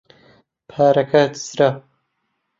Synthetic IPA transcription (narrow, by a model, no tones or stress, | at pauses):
pʰaːɾɐkʰɐt̪sɾa